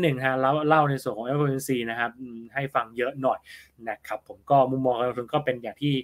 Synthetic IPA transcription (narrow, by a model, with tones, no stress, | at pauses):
nɯ˨˩ŋt̪ʰa˦˥la˦˥˩wla˥˩wna˧jsu˨˩ənkʰɔː˩˦ʔe˦˥a˧e˧nsiː˧na˦˥kʰa˦˥p̚ʔɯː˨˩ha˥˩jfa˧ŋjɤ˦˥ʔnɔ˨˩jna˦˥˩kʰa˦˥pʰːo˩˦mkɔː˥˩mu˧˦˥mːɔː˧ŋka˧lŋt̪ʰu˧nkɔː˥˩pe˧njaː˨˩ŋt̪ʰiː˥˩